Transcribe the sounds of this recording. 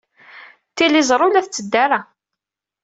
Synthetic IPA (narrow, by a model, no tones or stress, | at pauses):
t̪ːilizˤɾˤʊlæθt͡sːəd̪ːaɾa